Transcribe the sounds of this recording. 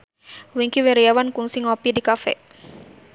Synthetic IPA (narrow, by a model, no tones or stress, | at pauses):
wiŋkiwɛɾiawankuŋsiŋɔpidikafɛ̰